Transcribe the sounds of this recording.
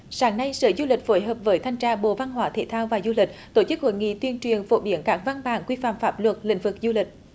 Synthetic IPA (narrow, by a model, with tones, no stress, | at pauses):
saː˨˦ŋna˧jsə̰ː˧˩zu˧lï˨˩k̟̚fo˨˦jɦəː˨˩p̚vəː˨˦jt̪ʰa˧jŋ̟t͡ɕaː˧ɓo̰˧˨va˧nɦwaː˨˦t̪ʰḛ˧˩˦t̪ʰaː˧wvaː˨˩zu˧li˨˩k̟̚t̪o˧˩t͡ɕɨ˦˥k̚ho̰˧˨jŋḭ˧˨t̪wi˧ənt͡ɕwi˨˩ənfo˧˥ɓi˨˦ənkaː˦˥k̚va˧nɓaː˨˩nkwi˧fa̰ː˧˨˩mfaː˦˥p̚lwə˨˩t̚lḭ˧˥ŋ̟vɨ˨˩k̚zu˧lï˨˩k̟̚